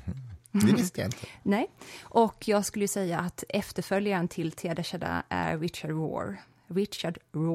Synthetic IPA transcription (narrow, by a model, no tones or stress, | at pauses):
d̪ɛvɪst̪əj̰ɪnt̪ʰənɛʔɔkʰːjɑːɡskɵlːəjʉsɛjːaʔat̪ɛft̪əɾfœljaɾənt̪ʰɪlt̪ʰeːd̪ɛɕɛd̪a̰æ̰ɾɾɪt̪ɕaɖɾo̰ːɾ | ɾɪt̪ɕaɖɾo